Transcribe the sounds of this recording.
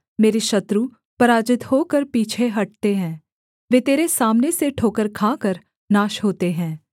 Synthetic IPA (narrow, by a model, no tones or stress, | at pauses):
meːɾeʃɐt̪ɾu | pɐɾaːd͡ʒɪt̪ɦoːkəɾpiːt͡ʃʰeɦɐʈ̚t̪eɦɛ̃ː | ʋeːt̪eːɾesaːmneseʈʰoːkəɾkʰaːkəɾ | naːʃɦoːt̪eɦɛ̃ː